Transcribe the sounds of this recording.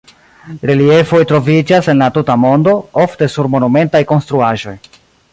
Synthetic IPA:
ɾe̞lie̞fo̞jtɾo̞vid͡ʒase̞nlatutamo̞ndo̞o̞fte̞suɾmo̞nume̞ntajko̞nstɾuaʒo̞̰j

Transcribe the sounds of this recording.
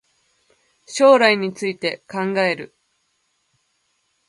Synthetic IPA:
ɕo̞ːɾaiɲ̟it͡sɨit̪e̞kãŋɡae̞ɾɯ̟

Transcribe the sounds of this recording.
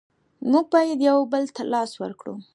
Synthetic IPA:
muɡ̚bɑjed̪jawbəlt̪ʰalɑswə̰ɾkɽṵ

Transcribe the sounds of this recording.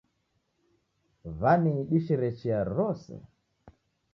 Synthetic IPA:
vaniɗiʃɛɾɛt͡ʃɛaɾɔsɛ̰

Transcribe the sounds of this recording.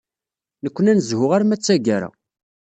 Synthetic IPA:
nəkʷːənænəzhʊʁaɾmæt͡sːæɡæɾa̰

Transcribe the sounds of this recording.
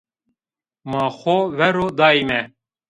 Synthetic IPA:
mɑːxovɛɾoːd̪ɑːimɛ

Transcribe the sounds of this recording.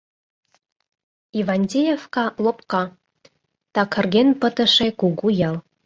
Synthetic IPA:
ivɑnʲdʲejefkɑlopkɑ | t̪ɑkʰə̆rɡenpə̆t̪ə̆ʃekuɣujɑl

